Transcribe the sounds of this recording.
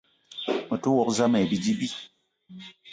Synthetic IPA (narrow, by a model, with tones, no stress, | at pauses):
mə˨tu˦wɔ˦˨kza˦mɛ˨bi˨di˦bi˦